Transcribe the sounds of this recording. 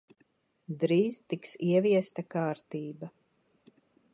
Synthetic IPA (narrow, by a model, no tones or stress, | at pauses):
d̪ɾiːzt̪iksiɛviɛst̪akaːɾt̪iːba